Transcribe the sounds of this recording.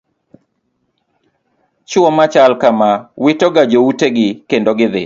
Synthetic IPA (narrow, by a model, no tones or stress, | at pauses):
t͡ʃʊɔmat͡ʃalkamawitɔɡad͡ʒouteɡɪkendoɡɪðɪ